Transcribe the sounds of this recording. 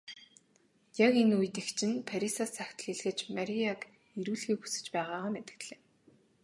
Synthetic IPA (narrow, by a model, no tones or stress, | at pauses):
jakenuj̆t̪ekt͡ɕʰɪ̆npʰæɾisasaxʲt̪̆ɮiɮxɘ̆t͡ɕmæɾʲiak | eɾuːɮɣiːxu̥sɘ̥̆t͡ɕpæːʁaːʁaːmet̪ɘ̆kt̪ɮeː